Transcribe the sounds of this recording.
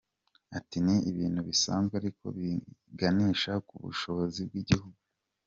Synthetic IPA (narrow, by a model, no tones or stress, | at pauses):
atiniiβiːn̥huβisa̰ːnzɡeaɾiko̞̰βiɡaniːʃakuβṵʃo̞βo̞zib̚ɡiɟihuɡu